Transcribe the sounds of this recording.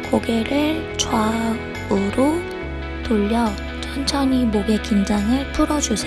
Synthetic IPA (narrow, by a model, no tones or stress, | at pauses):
koɡe̞ɾɯɭ | t͡ɕwa | ɡɯɾo | toʎːʌ | t͡ɕʰʌnt͡ɕʰʌɲimoɡe̞kind͡ʑaŋɯɭpʰuɾʌd͡ʑusʰe